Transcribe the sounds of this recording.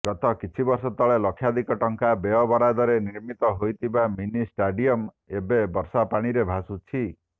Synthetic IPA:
ɡɔt̪ɔkit͡ʃʰibɔɾsɔt̪ɔɭelɔkʰːjad̪ʱikɔʈɔŋkabeɔbɔɾad̪ɔɾeniɾmit̪ɔɦojt̪ʰibaminisʈaɖiɔm | ebebɔɾsapaɽ̃iɾebʱasut͡ʃʰi

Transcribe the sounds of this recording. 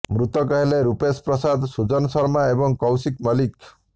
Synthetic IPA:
mɾut̪ɔkaɦileɾupespɾɔsad̪sud͡zɔnsʌɾmaebɔŋkɔwsikmʌlik

